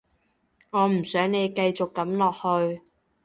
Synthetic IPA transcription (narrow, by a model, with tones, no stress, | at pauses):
ŋɔː˨˧m̩˨˩sœː˨˥ŋne˨˧jkɐ˧jt͡sʊ˨kːɐ˨˥mlɔː˨k̚hɵ˧ɥ